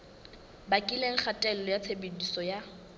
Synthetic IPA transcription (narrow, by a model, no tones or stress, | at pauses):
bakʼileŋ̩χʰatʼɛlɔjat͡sʰebedisɔja